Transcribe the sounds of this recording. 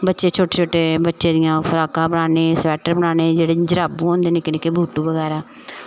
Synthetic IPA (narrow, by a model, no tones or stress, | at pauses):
bətːʃeːt͡ʃʰoːʈeːt͡ʃʰoːʈeːbətːʃẽːd̪ɪjãːpʰəɾaːkãːbəɳaːneːsʋɛːʈəɾbəɳaːneːd͡ʒeːɽeːd͡ʒəɾaːbũːõːnd̪eːnɪknekeːbʱuːʈuːbəɣɛːɾaː